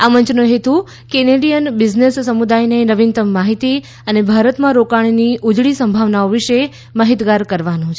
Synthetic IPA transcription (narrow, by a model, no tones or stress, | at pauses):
amənt͡ʃnũɦet̪ũ | keneɖijənbɪd͡ʒnesːəmud̪ajnenəʋint̪əmːaɦit̪i | ənebʱaɾət̪mãɾokaɳ̃iniʔud͡ʒɭisəmbʱaʋnaoʋiʃe | məɦit̪ɡaɾkəɾʋanũt͡ʃʰ